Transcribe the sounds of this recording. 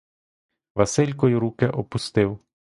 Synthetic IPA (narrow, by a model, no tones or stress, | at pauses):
ʋɐsɪlʲkɔjiɾukɛʔɔpʊst̪ɪw